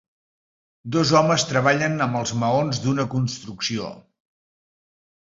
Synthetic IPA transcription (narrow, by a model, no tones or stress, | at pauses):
d̪ɔzɔməst̪ɾəβ̞aʎənəmbəlˠzməonzd̪unəkunst̪ɾuksio̰